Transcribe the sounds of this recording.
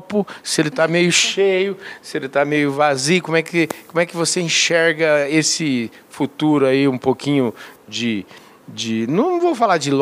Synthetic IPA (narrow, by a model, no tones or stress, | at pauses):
pʊsɪelɪt̪amejʊʃejʊsɪelɪt̪amejʊvazijkõmʊɛkɪkõmʊ̃ɛkɪvoseĩʃɛɾɡɐesɪ | fut̪uɾʊaiũpokʰĩɲʊd͡ʒɪ | d͡ʒɪnɐ̃vowfalad͡ʒɪl